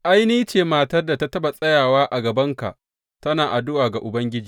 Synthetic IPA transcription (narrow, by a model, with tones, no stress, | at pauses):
ʔa˦jniː˦t͡ʃeː˨maː˨tɐ˦rda˨ta˦tɐ˦ba˨sʼɐ˦jaː˨waː˦ʔa˨ɡɐ˨bɐ˦ŋka̰˨ʔ | tɐ˦naː˨ʔa˨dʊ˦waː˨ɡa˨ʔʊ˨bɐ˦ŋɡʲɪ˦d͡ʒiː˨